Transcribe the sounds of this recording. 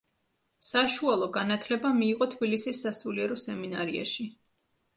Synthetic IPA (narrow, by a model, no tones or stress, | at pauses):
saʃualˠɔɡanat̪ʰlɛbamiːʁɔt̪ʰbilisisːasuliɛɾɔsɛminaɾia̰ʃi